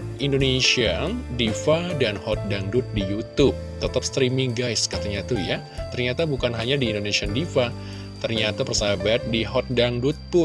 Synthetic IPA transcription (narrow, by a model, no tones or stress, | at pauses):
ʔindonesiandifadanhɔt̪̚daŋdut̪̚dijut̪ʊp̚t̪ɔt̪ap̚st̪ɾimiŋɡajskat̪aɲat̪uja | t̪ərɲat̪abukanɦaɲadiːndonesiandifa | t̪ərɲat̪apərsabat̪̚diɦɔt̪̚daŋdut̪̚pʊn